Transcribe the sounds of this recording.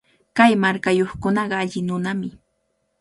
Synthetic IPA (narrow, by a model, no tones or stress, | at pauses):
kajmaɾkajoχkʊnɑɢɑaʎɪnʊnamɪ